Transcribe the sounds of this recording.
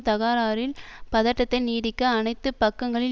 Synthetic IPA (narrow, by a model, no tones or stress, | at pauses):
t̪ɐɣaːɾaːɾɪlpɐðɐʈːɐt̪ːɐɪniːɽɪkːɐːnɐɪt̪ːɯpɐkːɐŋɡɐɭɪ